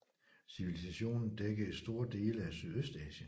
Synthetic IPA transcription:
siʋilisæɕo̝̰ːnn̩d̥eɡ̥əesd̥o̝ɐd̥e̝̰ːləæsyðˠøsd̥ɛːɕən

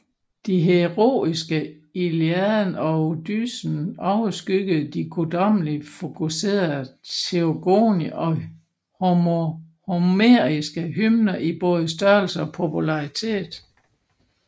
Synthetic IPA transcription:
d̥iɦe̝ʁo̝̰ːisɡ̥ə | iliæðˠnɒ̽od̥y̰sn̩ɒʊsɡ̥yɡ̥əð̩ˠd̥ikʰod̥ɒ̽m̰lifo̝kʰuse̝̰ːɐðˠt͡sʰeoɡ̥o̰ːniɒ̽ | homo | homeɐisɡ̥əɦymnɐʔib̥ɔ̽ːð̞ˠəsd̥ɶɐl̩səɒ̽pʰo̝pulɑ̈it͡sʰe̝̰ːd̥ˠ

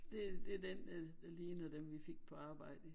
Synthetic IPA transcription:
d̥e̝d̥e̝d̥en̥ | leːnæd̥emʋife̝ɡ̥̚pʰɒ̽ɑ̈ːb̥ɑ̈ɪ̰d̥ə

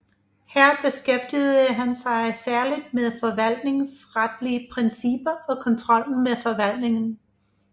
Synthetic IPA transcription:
hæɐ̰b̥e̝sɡ̥efd̥ið̩ˠəɦænsɑ̈ɪsæɐlid̥̚meðˠfɒ̽ʋæl̰d̥ne̝ŋsʁad̥liəpʰʁensib̥ɐʔɒ̽kʰɒ̽nt͡sʰʁɒ̽l̰n̩meðˠfɒ̽ʋæl̰d̥ne̝ŋn̩

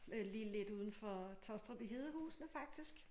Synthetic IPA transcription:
liːle̝d̥uːð̞ˠn̩fɒ̽t͡sʰɒsd̥ʁɔb̥iɦe̝ð̞ˠəhṵːsnəfɑ̈ɡ̥̚d̥isɡ̥

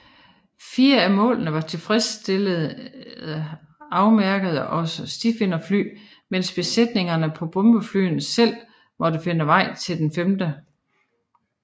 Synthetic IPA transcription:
fiːɐæmɔ̰̽ːlnəʋɑ̈t͡sʰe̝lfʁɛsd̥elð̩ˠ | ɑ̈ʊmæɐɡ̥əð̞ˠʔɒ̽səsd̥ifenɐfly̰ː | men̰sb̥e̝sed̥ne̝ŋɐnəpʰɒ̽b̥ɔ̽mb̥əfly̰ːn̩sel̰ | mɒ̽d̥əfe̝nəʋɑ̈ɪ̰t͡sʰe̝ld̥enfemd̥ə

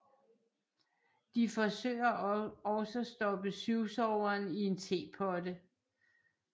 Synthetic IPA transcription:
d̥ifɒ̽sø̰ːɪɐɒ̽səæsd̥ɒ̽b̥əsyʊsɒʊɐːnie̝nt͡sʰe̝̰ːpʰɒdə

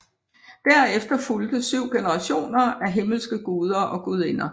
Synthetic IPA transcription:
d̥æɐ̰efd̥ɐfuld̥əsyʊ̰ɡ̥enəʁɑ̈ɕo̝̰ːnɐæɦe̝ml̩sɡ̥əɡ̥uːð̞ˠɐʔɒ̽ɡ̥uð̞ˠe̝nɐ

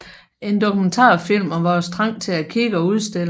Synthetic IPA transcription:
e̝nd̥o̝kʰument͡sʰɑ̰̈ːfil̰mɒʋɑɒ̽sd̥ʰʁɑ̈ŋ̰t͡sʰe̝lækʰiɡ̥əɒ̽uðˠsd̥e̝l

